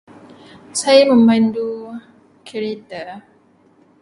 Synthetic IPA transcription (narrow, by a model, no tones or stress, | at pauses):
sajamə̃mbandu | kʰɛɾɛt̪ə